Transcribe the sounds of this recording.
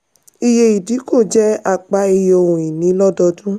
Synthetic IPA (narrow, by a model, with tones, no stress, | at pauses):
i˧je˧i˨di˨˦ko˦˨d͡ʒɛ˦a˧k͡pa˧i˧jo˧˨õ˨ĩ˨nĩ˨˦lɔ˦dɔ˧dũ˦